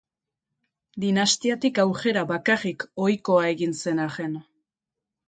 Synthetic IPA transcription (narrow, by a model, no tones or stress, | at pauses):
d̪inast̪iat̪ikawke̞ɾaβakarikojko̞ae̞ɣinse̞naɣe̞n